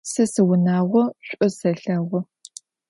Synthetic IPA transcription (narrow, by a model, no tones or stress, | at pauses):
sɨsɨwʊnaːʁʷɔɕʷʼɔsɐɬɐʁʷɔ